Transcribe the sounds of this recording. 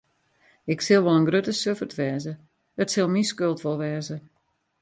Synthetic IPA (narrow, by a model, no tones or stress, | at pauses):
ɪksɪlˠʋɔlənɡrøtəsøfərtʋɛːzə | ətsɪlˠmiskølˠtfɔlˠʋɛːzə